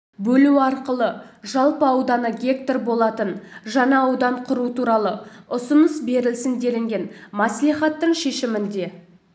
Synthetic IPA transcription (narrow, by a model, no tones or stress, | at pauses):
bɵluɑɾqəlˠəʒɑlˠpəɑwd̪ɑnəɡʲe̞k̚t̪orbo̞lˠɑt̪ənʒɑnɑɑwd̪ɑɴqʰʊɾut̪uɾɑlˠəʊsʊnəsbe̞ɾɪlsɪnd̪e̞lɪŋɡʲe̞nmɑsliχɑt̪ːəɴʃe̞ʃɪmɪnd̪e̞